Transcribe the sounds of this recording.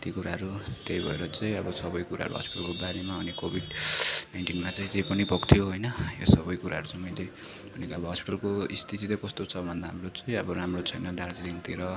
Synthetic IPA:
t̪ikuɾaɦʌɾut̪jejbʱʌeɾʌt͡sãĩʌbʌsʌbʌjkuɾaɦʌ̰ɾṵɦʌ̰spi̥ʈʌlkobaɾemaʌnikobʱiɖnajnʈinmat͡saĩt͡sej̃pʌnipʌkt̪ʰijoɦojnʌjosʌbʌjkuɾaɦʌɾut͡sʌ̃mʌjle | bʱʌnekiʌbʌɦʌspiʈʌlkoist̪ʰit̪it̪ʌkʌst̪ot͡sʰʌbʱʌnd̪aɦamrot͡sãĩʌbʌɾamrot͡sʰʌjnʌd̪aɾd͡ziliŋt̪iɾʌ

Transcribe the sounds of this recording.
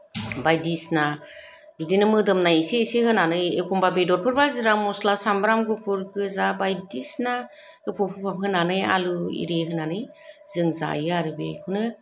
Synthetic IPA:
bajdisna | bidinɯmɯdɯmnajsesehɯnanɯjekʰumbabedɔɾpʰɯɾbazɯɾamɔslasambɾamɡɯpʰɯɾɡɯzabajdisna | ɡɯpʰɔpʰɯpʰapɦɯnanɯja̰lɯḭɾeɦɯnanɯj | z̥ɯŋza̰jɯaɾɯbekʰɯnɯ

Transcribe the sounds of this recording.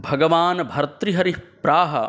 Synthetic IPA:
bʱɐɡɐʋaːnbʱɐɾɐt̪ɾiɦɐɾipɾaːɦɐ̰

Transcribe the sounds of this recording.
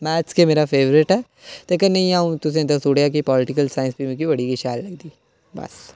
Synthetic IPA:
mɛːt͡ʃkemeːɾafeːʋɾɪʈɦɛː | t̪ekɐnɐĩãːũt̪ʊs̬ẽd̪ɐsuːɽjak̬ipɔːlɪʈɪkəlsaːɪ̃nsbimẽkibɐɽikiʃaːlːɐɡ̚d̪iː | bɐ̰s

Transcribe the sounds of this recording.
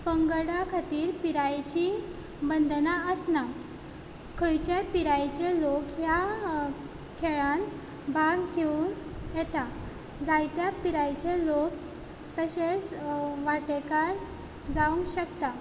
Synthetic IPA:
pəŋɡɽakʰat̪iːɾpiɾajt͡ɕi | bənd̪naəsna | kʰəjt͡ɕepiɾajt͡ɕelokja | kʰeɭan | bʱaɡkeunjɛt̪a | d͡zajt̪japiɾajt͡ɕelok̚ | t̪əɕet͡sʋaʈekaɾ | d͡zauŋɡɕəkt̪a

